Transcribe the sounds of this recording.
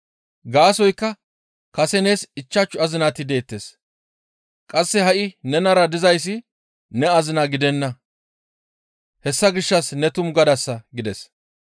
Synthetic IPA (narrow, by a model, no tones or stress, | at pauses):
ɡaːsɔjkːɐ | kɐsɛne̞ːsɪt͡ʃːɐt͡ʃːʊɐzɪnaːt̪ɪd̪e̞ːt̪ːes | kʼɐsːɛɦɐʔɪnɛnɐɾɐd̪ɪzɐjs̬ːɪ | nɛɐzɪnaɡɪd̪ɛnːɐ | hɛsːɐɡɪʃːɐsnɛt̪ʊmɡɐd̪ɐsːɐɡɪd̪ɛs